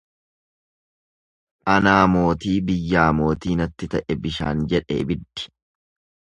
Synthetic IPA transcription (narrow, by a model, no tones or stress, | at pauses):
ʔɐnaːmo̞ːt̪iːbɪjːaːmo̞ːt̪iːnɐt̪ːɪt̪ɐʔɛbɪʃa̰ːnd͡ʒɛᶑḛːbɪd̪ːɪ̥